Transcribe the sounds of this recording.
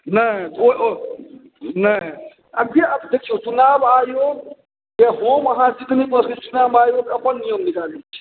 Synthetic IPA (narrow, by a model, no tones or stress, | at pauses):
nəoo | nə | əbʱjeəd̪ekʰt͡ʃʰijõt͡ʃunabajoɡ | keɦoməɦãsik̪ʰnipəset͡ʃunabajokəpənːijəmnikalit͡ʃʰi̥